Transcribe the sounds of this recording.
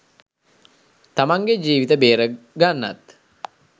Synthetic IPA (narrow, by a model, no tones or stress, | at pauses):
t̪amaŋɡed͡ʒiːʋit̪əbeːɾəɡanːa̰t̪